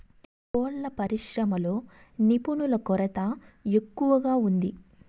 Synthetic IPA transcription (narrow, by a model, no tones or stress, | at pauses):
poːɭlɐpɐɾiʃɾɐmɐlo̞ːnipunulɐkɔɾɐt̪ɐe̞kːuʋɐɡaːund̪i